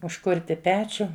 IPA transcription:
ʊʃˈkʊrʲtʲɪ ˈpʲæːt͡ʃʲʊ

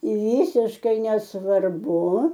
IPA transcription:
ˈʋʲɪsʲɪʃkɐɪ nʲɛsʋɐrˈbʊ

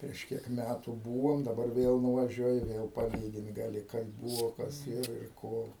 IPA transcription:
pʲrʲiɛʃ ˈkʲiɛk ˈmʲætuː ˈbuːʋoːm dɐˈbɐr ˈʋʲeːlˠ nʊʋɐˈʒʲuɔjɪ ˈʋʲeːlˠ pɐˈlʲiːɡʲɪnt ɡɐˈlʲɪ kɐɪp ˈbuːʋoː ˈkɐs ˈɪr ɪr ˈkoː

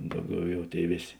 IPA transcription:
ˈdɐʊˌɡʲɛʊ ˈjɛʊ ˈtʲeːɪ ˈʋʲeːˌsʲ

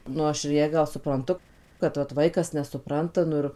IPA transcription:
ˈnʊ ɐʃ ɪr ˈjæː ˈɡɐlˠ sʊprɐnˈtʊ kɐt ʋɐt ˈʋɐɪkɐs nʲɛsʊˈprɐntɐ ˈnʊ ɪr

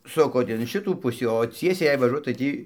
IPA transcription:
ˈsʊkoːt ɪn ˈʃʲɪtuː ˈpʊsʲiː oː ˈt͡sʲiɛsʲɛɪ jɛɪ ʋɐˈʒuɔt tɐɪ ˈtʲiː

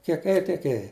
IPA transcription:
kʲiɛk ˈeːjɪ tʲiɛk ˈeːjɪ

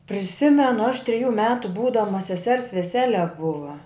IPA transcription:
pʲrʲɪˈsʲɪmʲɛnʊ ɐʃ tʲrʲɪˈjuː ˈmʲæːtʊ ˈbuːdɐmɐ sʲɛˈsʲɛrs ʋʲɛˈsʲæːlʲɛ ˈbʊʋɐ

